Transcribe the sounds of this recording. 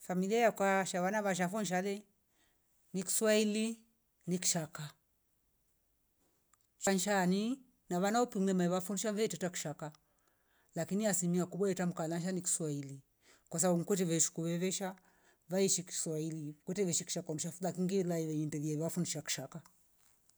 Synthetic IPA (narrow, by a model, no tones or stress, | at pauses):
familiajakwaʃaβanaβaʃ̬afɔnʃalɛ | niki̥swaili | niki̥ʃaka | t͡ʃanʃani | naβanaupimɛmaiβafundiʃavɛtɛtaki̥ʃaka | lakiniasimiakuɓwaɛtam̩kalanʃ̬aniki̥swaili | kwas̬abumkwɛtɛβɛʃu̥kuβɛβɛʃa | vaiʃiki̥swailikwɛtɛʋɛʃiki̥ʃakam̩ʃafulakiŋɡilaiβɛindɛviaafundiʃaki̥ʃaka